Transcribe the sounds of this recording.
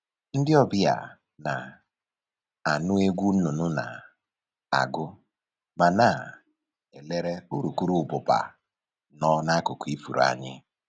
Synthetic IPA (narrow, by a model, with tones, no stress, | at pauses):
n̩˦dɪ˦ɔ˦bɪ˦ja̰˨ | na˨ | a˨nʊ˦e˦ɡʷu˦n̩˦nʊ˨nʊ˦na̰˨ | a̰˨ɡʊ˦ | ma˨na˦˨ | e˨le˦ɾe˦u˦ɾu˨ku˦ɾu˦˨bʊ˨pa̰˨ | nɔ˦na˦kʊ˨kʊ˨˦i˦fṵ˨ɾa̰˨ɲɪ̰˦